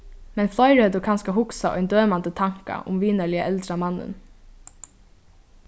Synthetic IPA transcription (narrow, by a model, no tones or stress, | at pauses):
mɛnflˠɔjɾhɛt̪ʊkʰanskaɦʊksaʔɔ̰jnd̪øːmand̪ət̪ʰaŋ̥ka̰ʔʊ̰mʋiːnalɪaʔɛlt̪ɾamanːə̰n